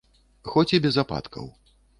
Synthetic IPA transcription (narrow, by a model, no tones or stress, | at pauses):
xɔt͡sʲibʲɛzapa̰t̪kʰɐ̰w